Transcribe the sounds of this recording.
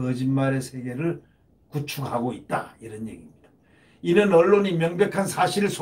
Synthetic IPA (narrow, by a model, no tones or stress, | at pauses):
ʌd͡ʑinmaɾe̞sʰe̞ɡe̞ɾɯɭ | kut͡ɕʰuɡaɡoit̚t͈a̰iɾʌnje̞̰ɡimɲid̥ḁ | inɯnʌɭːoɲimjʌŋbjʌkʰansʰaɕʰiɾɯɭsʰ